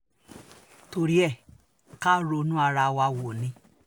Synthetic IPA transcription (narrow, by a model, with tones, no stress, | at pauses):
to˧ɾi˦ɛ˦˨ | ka˦ɾo˧˦nũ˦a˧ɾa˧wa˧wo˨nĩ˧˦